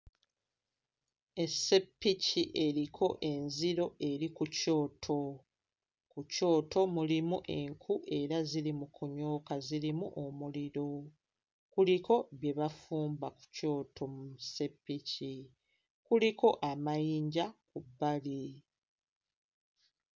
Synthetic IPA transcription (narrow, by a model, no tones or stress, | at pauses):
e̞se̞pːiciʔe̞ɾikʰo̞ʔe̞nziɾo̞ʔe̞ɾikuco̞ːtʰo̞ | kuco̞ːtʰo̞mulimuʔe̞ŋkʰuʔe̞ɾazilimukʰuɲo̞ːkaziɾimuʔomuliɾo̞ | kuliko̞βje̞βafuːmbaku̥co̞ːtʰo̞muuse̞pːici | kuliko̞ʔamajiːɲɟakubːali